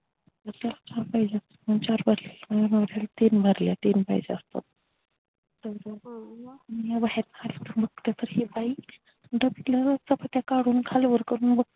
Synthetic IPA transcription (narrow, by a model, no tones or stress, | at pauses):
t̪əɾt̪jalat͡ɕaɾpaɦid͡ʑeəst̪ḁt̪mənt͡ɕaɾbʱəɾlelmaɡanaʋɽjalat̪inbʱəɾljat̪inpa̰id͡ʑeəst̪a̰t̪̚ | t̪əwɾabaʋanijabaɦeɾnaalat̪əɾbʱəɡ̚t̪jat̪əɾɦibai | ɖəbiʈlaɾat͡sapat̪jakaɽuːnkʰalʋəɾkəɾuːnbə